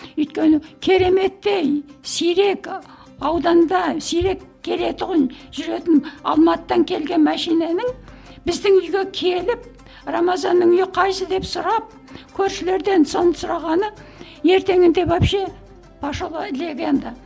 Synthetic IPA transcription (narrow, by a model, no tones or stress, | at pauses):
ʏjt̪̚kʲe̞nɪkʲʰe̞ɾe̞me̞t̪ːe̞jsijɾe̞k | ɑwd̪ɑnd̪ɑsijɾe̞kʰʲːe̞le̞t̪ʊʁənʒ̥ʏɾe̞t̪ɪnɑ̰lˠmɑt̪t̪ːɑŋkʲʰe̞lɡʲe̞nmæʃijnenɪŋ | bɪzd̪ɪŋʏjɡʲe̞kʲʰe̞lɪp̚ | ramɑzɑnːəŋʏjɪqʰɑjsəd̪e̞psʊɾɑp̚ | kʲʰɵɾʃɪle̞ɾd̪e̞nso̞nəsʊɾɑʁɑnə | je̞ɾt̪e̞ŋɪnd̪e̞pɑpʃe | pʰɑʃolˠlʲeɡʲend̪ɑ